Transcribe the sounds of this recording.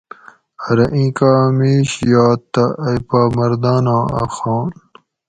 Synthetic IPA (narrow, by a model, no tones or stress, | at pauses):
ɐɾɐʔĩːkaːmiːɕjaːt̪ːɐʔɐjpaːmɐɾd̪aːnãːa̰xaːn